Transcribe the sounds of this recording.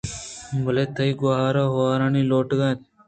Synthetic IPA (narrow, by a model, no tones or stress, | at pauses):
bɐleːt̪ʰəiɡoɦaːɾaːɦoaːɾãːniːloːʈɡaːt̪